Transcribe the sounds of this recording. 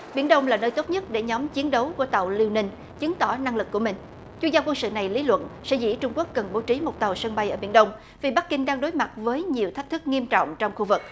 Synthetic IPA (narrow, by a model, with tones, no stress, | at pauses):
ɓi˧˩ənɗə˧wŋ͡mlaː˨˩nəː˧jt̪o˦˥t̚ɲə˦˥t̚ɗe˧˩ɲɔ˨˦mt͡ɕi˨˦ənɗə˨˦wku˧˩ət̪a˨˩wli˧wnï˧ŋ̟ | t͡ɕɨ˨˦ŋt̪ɔ˧˩na˧ŋlɨ˨˩kːu˧˩əmï˨˩ŋ̟ | t͡ɕwi˧əŋzaː˧kwə˧nsɨ̰˧˨na˨˩jli˨˦lwə̰˧˨nsɛ̰˧˥zḭ˧˥t͡ɕʊ˧ŋ͡mku˦˥əkːə˨˩nɓo˨˦t͡ɕi˨˦mo˨˩t̚t̪a˨˩wsə˧ŋɓa˧jʔəː˧˩ɓi˧˩ənɗə˧wŋ͡m | vi˨˩ɓa˦˥k̚kï˧ŋ̟ɗaː˧ŋɗo˨˦jma˨˩t̚vəː˨˦jɲi˨˩əwt̪ʰa˦˥k̟̚t̪ʰɨ˦˥k̚ŋi˧əmt͡ɕɔ̰˧˨wŋ͡mt͡ɕɔ˧wŋ͡mxu˧vɨ˨˩k̚